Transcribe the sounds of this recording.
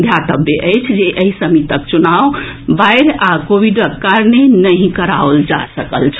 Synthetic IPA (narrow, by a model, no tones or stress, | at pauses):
d̪ʱjat̪əbjeʔəjt͡ʃʰd͡ʒeʔəisəmit̪ək̚t͡ʃunaʋbajɾakobiɖəkːaɾnenəɦĩkəɾaold͡ʒa̰səkəlt͡ʃʰ